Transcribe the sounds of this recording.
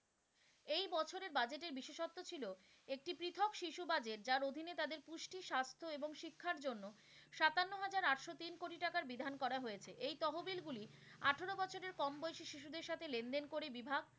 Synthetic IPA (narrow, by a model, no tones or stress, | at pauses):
ejbɔt͡ɕʰoɾeɾbad͡ʑeʈeɾbiʃeʃot̪ːot͡ɕʰilo | ek̚ʈipɾit̪ʰokʃiʃubad͡ʑeʈ̚d͡ʑaɾod̪ʱinet̪ad̪eɾpuʃʈiʃast̪ʰoeboŋʃikʰːaɾd͡ʑonːo | ʃat̪anːoɦad͡ʑaɾaʈʃot̪inkoʈiʈakaɾbid̪ʱankɔɾaɦojet͡ɕʰeʔejt̪ɔɦobilɡuliaʈʰeɾobɔt͡ɕʰoɾeɾkɔmbojʃiʃiʃud̪eɾʃat̪ʰelend̪enkoɾebibʱaɡ̚